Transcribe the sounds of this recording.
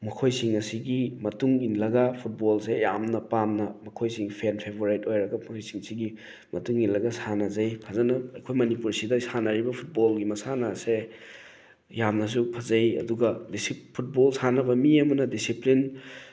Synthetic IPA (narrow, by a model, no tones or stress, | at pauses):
mɐkʰojsiŋɐsiɡimɐtuŋinlɐɡɐpʰut̚bolseja̰mnɐpamnɐmɐkʰojsiŋpʰenpʰebʱoɾajtojɾɐɡɐmɐkʰojsiŋsiɡi | mɐtuŋinlɐɡɐsanɐzajpʰazɐnɐɐjkʰojmɐnipuɾsidɐsanɐɾibɐpʰut̚bolɡimɐsanase | jamnɐs̬upʰɐzɐjɐ̰duɡɐdisipʰut̚bolsanɐbɐmiɐmɐnɐdisiplin